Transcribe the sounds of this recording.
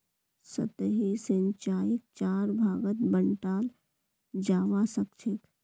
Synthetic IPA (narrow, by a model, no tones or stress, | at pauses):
sə̰t̪ɦisə̃ɲt͡ʃaːjɪk̚t͡ʃaːɾbʱaːɡət̪bəɳʈaːl | d͡ʒaːʋasəkt͡ʃʰɪk